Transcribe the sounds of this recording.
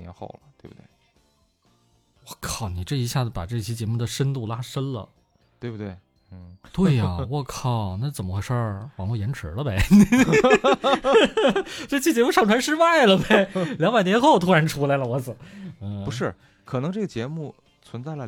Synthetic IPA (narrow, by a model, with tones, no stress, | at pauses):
nɛ̰˧˥nxo̰˥˩ʊlə˩t̪we˥˩ɪbu˩t̪wḛ˥˩ɪ | wɔ˧˩kʰɑ˨˩ʊni˨˩ʈ͡ʂɤ˥˩i˧˥ɕja˥˩d͡z̩˩pa̰˨˩ʈ͡ʂɤ˥˩˧ɕʰi˥t͡ɕjɛ˧˥mu˥˩d̪ə˩ʂə˥nt̪u˥˩la˥ʂə˥nlə̰˨ | t̪we˥˩bu˨˩t̪we˥˩ɪ | n̩˥˩t̪we˥˩ɪɐ˩wɔ˧˩kʰɑ˨˩ʊna˥˩t͡sə˨˩nmə˦xwe˥˧ɪʂə˥˩wɑ˨˩ŋlwɔ˥˩jɛ˧˥nʈ͡ʂʰɻ̩˧˥lə˧be˥˧ɪ | t͡ɕt͡ɕʰi˥˩t͡ɕjɛ˧˥mu˥˧ʂɑ˥˩ŋʈ͡ʂʰwa˧˥nʂ̬ɻ̩˥˧wa˥˩ɪlə˩be˨ɪljɑ˧˥ŋba˨˩ɪnjɛ˧˥nxo˥˩ʊt̪ʰu˥ɻa˧˥nʈ͡ʂʰu˧˥la˧˥ɪlə˧wɔ˧˥s̩˨˩˦n̩˩pu˧˥ʂɻ̩˥˩ | kʰɤ˨˩nɤ˧˥ŋʈ͡ʂɤ˥˩ɡə˩t͡ɕjɛ˧˥mu˥˩ | t͡sʰwə˧˥nt͡sa˥˩ɪlə˩